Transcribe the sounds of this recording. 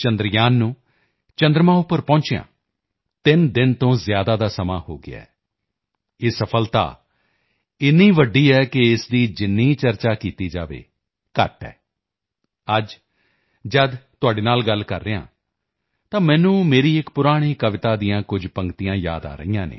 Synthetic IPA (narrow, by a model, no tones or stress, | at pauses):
t͡ʃənd̪ɾɪjaːnːũː | t͡ʃənd̪ɾəmãːʊpːəɾpɔ̃ːɲt͡ʃeːã̰ː | t̪ɪnd̪ɪnt̪õːzjaːd̪aːd̪aːsəmaːho̰ːɡɪ̰a̰ːɛː | eːsəpʰəlt̪a̰ː | ɪnːiːʋəɖiːɛːkɪɪsd̪iːd͡ʒɪnːiːt͡ʃəɾt͡ʃaːkiːt̪iːd͡ʒaːʋḛː | kə̰ʈɛ̰ː | əd͡ʒ | d͡ʒəd̪t̪ʊaːɖeːnaːlɡəlkə̰ɾːeːã̰ː | t̪ãːmɛ̃ːnũːmeːɾiːɪkpʊɾaːɽ̃iːkəʋɪt̪aːd̪ijãːkʊd͡ʒpəŋɡt̪ijãːja̰ːd̪a̰ːɾə̰ijãːnḛː